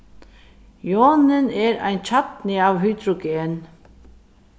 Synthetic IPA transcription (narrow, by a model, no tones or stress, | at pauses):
joːnənɛːɾæ̰ɪnt͡ɕʰat̪nɪɑːʋɦyːd̪ɾɔɡeːən